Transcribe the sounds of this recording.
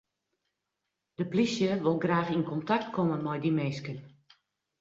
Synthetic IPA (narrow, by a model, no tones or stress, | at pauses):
d̥əplisjəʋɪlˠɡraːxinkʰɔntak̚t̚kʰɔmənmɔjdimeːskən